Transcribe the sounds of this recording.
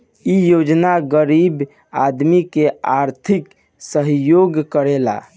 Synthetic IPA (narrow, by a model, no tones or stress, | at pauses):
ijod͡ʒnaɡəɾib | ad̪mikeaɾt̪ʰik | səɦjoɡkəɾela̰